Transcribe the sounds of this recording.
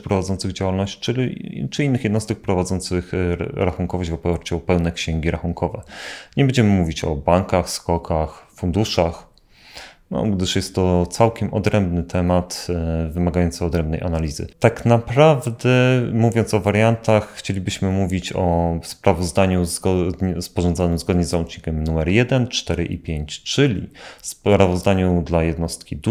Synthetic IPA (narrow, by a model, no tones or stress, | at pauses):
pɾɔvad̪ɔnt̪sɘɣd͡ʑawalnɔɕt͡ɕt͡ʂt͡ʂɘinːɘxjɛd̪nɔst̪ɛk̚pɾɔvad̪zɔnt̪sɘxɾaxuŋkɔvɔɕvɔpaɾt͡ɕuɔpɛwnɛkɕɛŋɡʲiɾaxuŋkʰɔvɛ̰ɲɛbɛɲd͡ʑɛmɘmuvʲit͡ɕɔ̰baŋkaxskɔkʰaxfund̪uʂax | nɔ̰ɡd̪ɘʂjɛst̪ːɔt̪sawkʲɛmɔ̰d̪ɾɛmbnɘt̪ʰɛmat̪vɘmaɡajɔnt̪sɘɔd̪ɾɛmbnɛ̰jʔa̰nalʲizɘ̰t̪aknapɾavd̪ɛmuvʲjɔnt̪sɔvaɾjant̪axːt͡ɕelʲibɘɕmɘmuvʲit͡ɕɔspɾavɔzd̪aɲuzɡɔd̪ɲɛspɔʐɔnd̪zanɘmzɡɔd̪ɲɛzaut͡ʂɲikʲɛmnumɛɾjɛd̪ɛnt͡ʂt̪ɛɾɘʔḭpʲjeɲt͡ɕt͡ʂɘlʲḭspɾavɔzd̪aɲud̪lajɛd̪nɔst̪kʲid̪